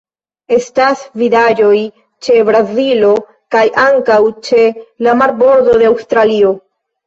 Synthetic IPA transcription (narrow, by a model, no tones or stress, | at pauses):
e̞stasvidad͡ʒo̞j | t͡ʃe̞bɾazilo̞ | kajʔaŋkawt͡ʃe̞lamaɾbo̞ɾdo̞de̞awstɾalio̞